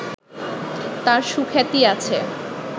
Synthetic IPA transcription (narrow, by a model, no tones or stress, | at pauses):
t̪aɾʃukʰet̪iat͡ɕʰe